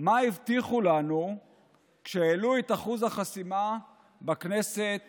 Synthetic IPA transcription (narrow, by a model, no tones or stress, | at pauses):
maivt̪iχulanu | kʃeeluet̪aχuzhaχasima | bakne̞set̪